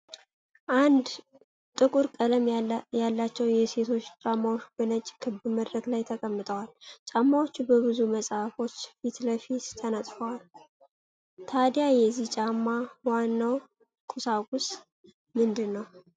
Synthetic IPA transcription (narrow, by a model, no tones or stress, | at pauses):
ʔand̪ | t̪ʼɨkʼuɾkʼələmjalːat͡ʃːɛwjɛse̞t̪ʰo̞t͡ʃːt͡ʃʼamːawoʃbənət͡ʃʼːkʰɨbɨməd̪ɾəɡlajt̪ʰəkʼəmːɨt̪ʼəwalt͡ʃʼamːawot͡ʃːubəβɨzuməsʼafo̞t͡ʃːfit̪ləfit̪t̪ʰənət̪ʼfəwal | t̪ʰad̪jajɛzːiht͡ʃʼamːawanːaw | kʼusaɡʼʊs | mɨnd̪ɨnːəw